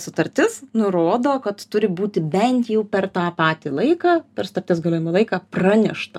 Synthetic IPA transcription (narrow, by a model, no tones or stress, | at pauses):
sʊt̪ɐɾʲt̪ʲɪsnʊɾoːd̪oːkɐt̪tʊɾʲɪbuːt̪ʲɪbʲɛnt̪jɛʊpʲɛrt̪ɑːpɑːt̪ʲilˠɐɪkɑːpʲɛɾsʊ̥t̪ɐɾʲt̪ʲɪsɡɐlʲoːjmɪlˠɐɪkɑːprɑːnʲɛʃt̪ɐ